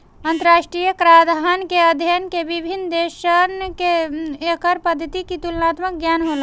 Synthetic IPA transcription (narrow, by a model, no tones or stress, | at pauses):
ənt̪əɾaʃʈɾijəkɾad̪ʱɦankeəd̪ʱjənkebibʱind̪eʃənkeekəɾpəd̪ʱːət̪ikit̪ulnat̪mək̚ɡjanɦolə